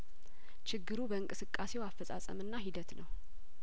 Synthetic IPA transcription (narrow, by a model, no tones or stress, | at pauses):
t͡ʃɪɡːɨɾubəɨŋkʼɨsɨkʼːase̞wafːəsʼa̰sʼə̰mɨnːaɦid̪ət̪nəw